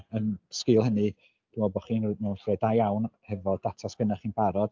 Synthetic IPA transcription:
ənskɪlˠhənɨ | d̥ɪɔbɔχiːnmɛwnɬrɛːdajawnhɛvɔd̥atʰasb̥ənɛχiːnb̥aɾɔd̥

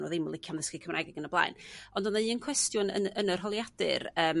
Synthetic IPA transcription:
nɔ̰ðemʊlˠɪkʰjanðəskɪkʰəmrʔa̰ɡɛɡənəblˠa̰ɨnɔndɔnaɨənkʰwɛstjʊnə̰ənərɦɔlˠjad̥ɨ̰rəːm

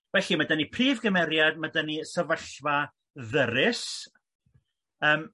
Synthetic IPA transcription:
vɛɬimadənipʰriːvɡəmɛɾjad̚madənisəvəɬva | ðəɾɪs | əːm

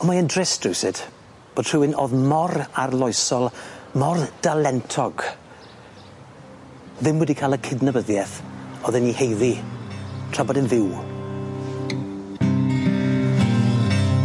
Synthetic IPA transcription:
ɔmaəndrɪsd̥rɪwsɪd̥ | b̥oːd̥̚tr̥ɪwɪnoðmɔrarlˠɔjsɔlˠmɔrd̥alɛntʰɔɡ̥ | ðɪmwɛdikʰaːlˠəkʰɪdnəbəðjɛθɔðɛnːihejði | tʰr̥abɔdɪnðɪw

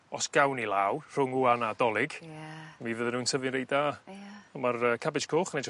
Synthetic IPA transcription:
ɔsɡ̥awnilˠaːwr̥ʊŋuanadɔlˠɪɡ̥mivəðɛnuːnsʰəvɪnɾejdaamarəːkʰabɪt͡ʃkʰoːχnej

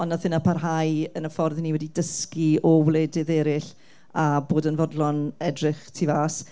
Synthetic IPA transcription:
ɔnːaθɪnapʰarɦajənəfɔrðniwɛdidəskiɔwlˠeːdɪðɛɾɪɬ | aboːdənvɔdlˠɔnɛdrɪχtʰivaːs

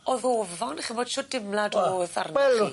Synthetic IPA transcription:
ɔðoːvɔnaχinboːd̥ʃoːdɪmlˠadɔθa̰rnɛli

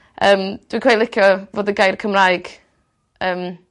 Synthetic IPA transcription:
əːmd̥wikʰwɛjlˠɪkʰjɔvoːdəɡajrkʰəmrajɡ̥ | əːm

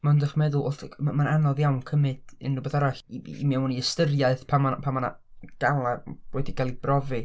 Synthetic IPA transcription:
mandəχmɛðʊlˠʊɬamananɔðjawnkʰəmɨd̥ɪnːubəðaɾaɬimɛwniɛstərjaɨθpʰamapʰamana̰ | ɡ̥alˠab̥wɛdikʰalˠibrɔvɨ

